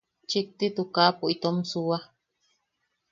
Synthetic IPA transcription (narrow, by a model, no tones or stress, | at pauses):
t͡ʃik̚t̪it̪ukapoʔit̪omsua